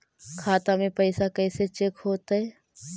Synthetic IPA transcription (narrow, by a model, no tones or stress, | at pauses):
kʰaːt̪amẽpɛɪsakɛːset͡ʃekɦoːt̪ɦɛː